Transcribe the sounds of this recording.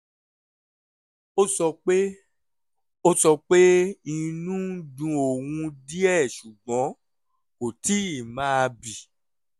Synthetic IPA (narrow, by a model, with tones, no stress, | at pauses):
o˦sɔ˧k͡pe˦ | o˦sɔ˧k͡pe˦i˧nũ˦dũ˧o˨wũ˧di˦ɛ˦˨ʃu˨ɡ͡bɔ̃˨˦ | ko˨ti˨˦i˦˨mãː˦a˧bi˨